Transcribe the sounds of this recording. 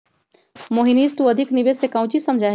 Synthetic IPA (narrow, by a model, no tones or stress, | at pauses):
moːɦiniːzt̪ũəd̪ʱɪknɪʋeːsekãũt͡ʃisɐmd͡ʒʱaːɦ